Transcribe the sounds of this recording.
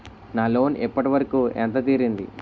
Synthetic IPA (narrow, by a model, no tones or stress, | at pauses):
naːlo̞ːnɛpːɐʈiʋɐɾɐkuːɛnt̪ɐt̪iːɾind̪ḭ